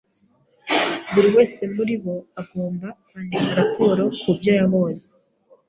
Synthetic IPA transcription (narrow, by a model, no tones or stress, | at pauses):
βuɾiwe̞ːse̞muɾiβo̞aɡo̞ːmbaβanimaɾapo̞ːɾo̞kubjajaβo̞ːje